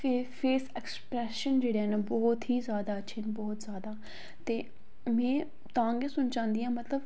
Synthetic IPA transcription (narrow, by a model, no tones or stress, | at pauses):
epʰeːsɛːkspɾɛːʃənd͡ʒeːɽeɛːnaːbɔːt̪ɦiːzjaːd̪aːətːʃʰiːnbɔːt̪zjaːd̪aː | t̪eː | mɛ̃ː | t̪ãːŋɡeːsʊnt͡ʃãːnd̪iãːmət̪ləb